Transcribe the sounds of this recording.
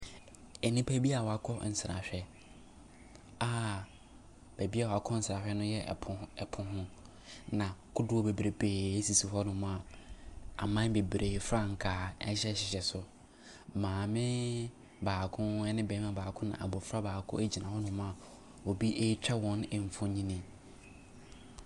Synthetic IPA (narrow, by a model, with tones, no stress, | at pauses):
ɛ˨nĩ˦pʰæ˦bi˦a˨wɔ˨a˨kʰɔ˦n̩˨sɪ˨ɾa̰˨ɕᶣɛ˦ | aː˦ | b̥æ˨bi˦a˦˨wɔ˨a˨kʰɔ̃˦n̩˦sa˨ɕᶣɛ˦nʊ̃˦jɛ̰˦˨ʊ˨ɛ˨pʰʊ̃˨ɦʊ̃˦ | nã˨kʰʊ˦dʊ˦wɔ˦be˨bɾe˨be˨e˦si˨si˨ɦɔ˦nʊ̃˨mʊ̃˦a˨ | a̰˨mã˦n˦be˨bɾʔeː˨fɾa˦ŋ̩˨kʰaː˨ɛ̰˦ɕɛ˦ɕɪ˨ɕɛ˨sʊ˨ | mãː˨mɪ̃˦ | baː˨kʰʊ̃˦ɛ˦nɪ̃˦bɛ˨˦mã˦baː˨kʰʊ̃˦nã̰˨ʔa̰˨bɔ˨fɾa˦baː˨kʰʊ̰˦e˦d͡ʑi˨nã˨hɔ˦nʊ̃˨m̃˦a˨ | wo˨bi˦ʔe˦t͡ɕᶣɛ˦wɔ̃˨n˨m̩˨fʊ̃˦ɲĩ˦nĩ˦